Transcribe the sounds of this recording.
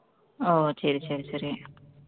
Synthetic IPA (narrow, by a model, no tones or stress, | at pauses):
oːsɐɾisɐɾisɐɾi